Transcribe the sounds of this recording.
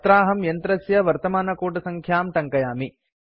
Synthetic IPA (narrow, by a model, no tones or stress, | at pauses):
t̪ɾaːɦɐmjɐnt̪ɾɐsjɐʋɐɾt̪ɐmaːnɐkuːʈ̬ɐsɐŋkʰjaːmʈɐŋkɐjaːmi